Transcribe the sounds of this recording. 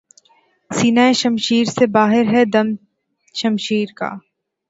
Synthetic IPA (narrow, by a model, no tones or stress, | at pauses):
siːnaːeʃɐmʃiːɾsebaːɦɪɾɦɛd̪ɐm | ʃɐmʃiːɾka̰ː